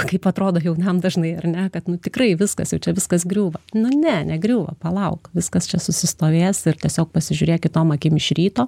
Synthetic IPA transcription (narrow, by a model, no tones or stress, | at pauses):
kɐɪpɐt̪ɾoːd̪oːjɛʊnɐmd̪ɐʒnɐɪɐrnʲɛkɐt̪nʊt̪ʲɪkrɐɪʋʲɪskɐsjɛʊt͡ʃʲɛʋʲɪskɐsɡɾʲuːʋɐnʊnʲɛnʲɛɡɾʲuːʋɐ̰pɐlˠɐʊkʋʲɪskɐst͡ʃʲɛsʊsʲɪst̪oːʋʲeːsɪrt̪ʲiɛsʲoːk̚pɐsʲɪʒʲʊɾʲeːkʲɪt̪oːmɐkʲɪmɪʃɾʲiːt̪oː